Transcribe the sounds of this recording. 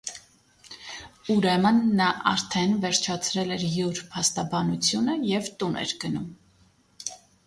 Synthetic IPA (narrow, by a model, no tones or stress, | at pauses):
uɾɛmənːɑʔɑ̰ɾt̪ʰɛnvɛɾt͡ʃʰɑt͡sʰɾɛlɛɾjuɾpʰɑst̪ɑbɑnut͡sʰjunəjɛvt̪unɛ̰ɾɡ̥ənum